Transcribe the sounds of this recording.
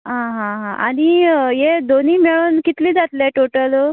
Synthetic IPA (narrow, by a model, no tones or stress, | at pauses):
ɦãɦãɦãaɽ̃ijed̪oniːmeɭuːnkit̪liːd͡zat̪leʈoʈəl